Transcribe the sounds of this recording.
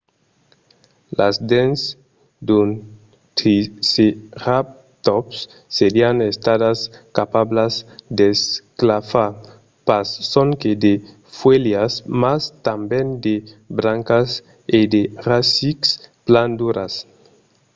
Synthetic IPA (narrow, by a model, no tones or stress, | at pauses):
lazd̪ens | d̪un | t̪ɾiseʁap̚ | t̪opsː | eɾianest̪aðaskapablazd̪esklafa | pasːoŋked̪e | fweljasmast̪ambend̪ebɾaŋkas | ed̪erasikspland̪uɾas